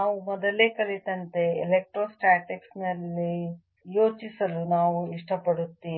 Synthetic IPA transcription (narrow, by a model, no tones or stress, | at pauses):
naːʋumɔd̪ɐleːkɐɭit̪ɐnt̪e̞elek̚ʈɾoːsʈaːʈeksnɐlːi | jo̞ːt͡ʃisɐlunaːʋuiʂʈɐpɐɽut̪ːiː